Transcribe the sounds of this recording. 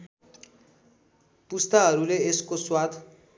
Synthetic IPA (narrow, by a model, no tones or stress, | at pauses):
pust̪aɦʌɾuleeskoswad̪